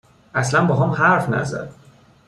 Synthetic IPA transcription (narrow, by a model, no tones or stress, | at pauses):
ʔæslænbɒːɦɒːmhæɾfnæ̰zæ̰d̪̥